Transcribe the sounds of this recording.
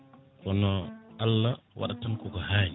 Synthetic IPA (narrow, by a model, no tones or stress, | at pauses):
kɔnɔʔalːawa̰ɗatankɔɡɔhaːɲi